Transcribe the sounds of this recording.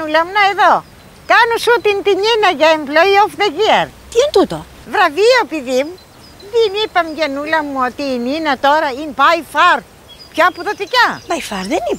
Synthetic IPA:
ulɐmunaeðo | kanusut̪int̪iɲinɐʝaemplojofðeɣieɾt̪int̪ut̪o | vɾɐviopiðimu | ðinipɐmʝɐnulɐmuot̪iːninɐt̪oɾɐinpajfaɾ | pçoɐpuðot̪icabaifaɾðenipɐ

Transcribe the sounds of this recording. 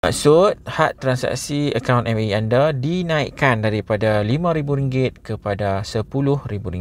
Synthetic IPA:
ma̰ʔsʊt̪̚haʔt̪ːɾansa̰ksiəkawnʔɛfiandadinãiʔkandaɾipadalimãɾibuɾiŋɡɪt̪̚kəpadasəpulʊhɾibuɾiŋ

